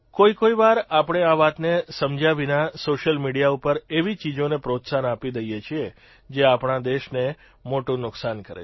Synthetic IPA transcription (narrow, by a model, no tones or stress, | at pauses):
koikoiʋaɾapɽ̃eaʋat̪nesəmd͡ʒaʋinasoʃəlmiɽijaupəɾeʋit͡ʃid͡ʒonepɾot̪sanapid̪əijet͡ʃʰie | d͡ʒeapɳad̪eʃne | moʈũnʊksankəɾḛ